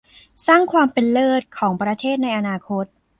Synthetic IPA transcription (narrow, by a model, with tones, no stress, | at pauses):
saː˥˩ŋkʰwaː˧mpe˧nlɤː˥˩t̪̚kʰɔː˩˦ŋpɾa˧t̪ʰeː˥˩t̪̚na˧jʔa˧naː˧kʰo˦˥t̪̚